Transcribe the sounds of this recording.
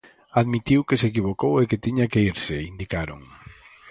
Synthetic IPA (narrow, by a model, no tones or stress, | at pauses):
aðmit̪iwkesek̬iβ̞okoweket̪iɲakeiɾseind̪ikaɾo̰ŋ